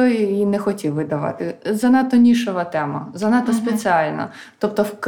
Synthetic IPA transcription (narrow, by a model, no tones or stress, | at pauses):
ɔjinɛxɔtʲiwʋɪd̪ɐʋɑ̰t̪ɪzɐnɑt̪ɔnʲiʃɔʋɐt̪ɛmɐ̰zɐnɑt̪ɔspet͡sʲɪɑlʲnɐ̰ | t̪ɔp̚t̪ɔwk